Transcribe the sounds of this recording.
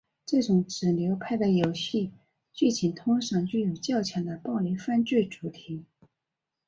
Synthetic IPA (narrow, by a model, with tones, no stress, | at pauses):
ʈ͡ʂɤ˥˩ʈ͡ʂʊ˨˧˥ŋʈ͡ʂɻ̩˨˩ljo˧˥ʊpʰa˥˩ɪd̪ə˩jo˨˩ʊɕi˥˧ | t͡ɕy˥˩t͡ɕʰi˨˩nt̪ʰʊ˥ŋʂɤ˧˩ŋt͡ɕy˥˩jo˨˩ʊt͡ɕjɑ˥˩ʊt͡ɕʰjɑ˧˥ŋd̪ə˧pɑ˥˩ʊli˧˥fa˥˧nt͡ɕy˥˩ʈ͡ʂu˧˥t̪ʰi˧˥˦